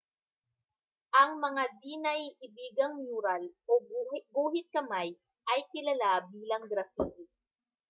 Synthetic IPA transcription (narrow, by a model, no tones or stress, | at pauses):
ʔɐŋmɐŋad̪iːnɐjʔɪbiːɡɐŋmjuːɾalobbuːɦɪt̪̚kɐmaj | ʔɐjkɪlalabiːlɐŋɡɾɐfiːt̪ɪ